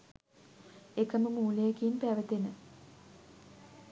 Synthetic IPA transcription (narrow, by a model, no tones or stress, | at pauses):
ekəməmuːlejekiːnpæːʋət̪enə